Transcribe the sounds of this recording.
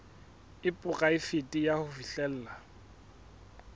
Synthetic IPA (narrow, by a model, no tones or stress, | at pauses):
ɪpʼʊkʼaɪfetʼijahʊfiɬɛl̩ːla